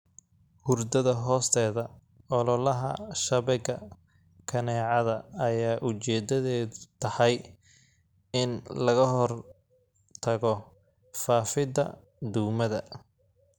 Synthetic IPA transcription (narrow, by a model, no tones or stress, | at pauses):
hʊrd̪ɐðɐɦɔːst̪ʰɛːðɐ | ɔlɔlɐɦɐ̰ʃɐβɛɣɐ | kʰɐnɛːʕɑðɐɐjaːʔʊt͡ʃɛːd̪ɐðɛːt̪ʰɐhɑj | ɪnlɐɣɐɦɔr | t̪ʰɐɣɔ | faːfɪd̪ɐ̰ | d̪ʊɡmɐðɐ